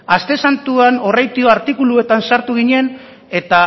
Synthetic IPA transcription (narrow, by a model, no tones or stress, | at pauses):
ast̪e̞sant̪uano̞rajt̪ioaɾt̪ikulue̞t̪ansaɾt̪uɣiɲe̞n | e̞t̪a